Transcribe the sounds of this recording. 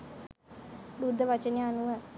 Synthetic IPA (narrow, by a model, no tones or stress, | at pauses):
bud̪ʱːəʋat͡ʃəneanuʋə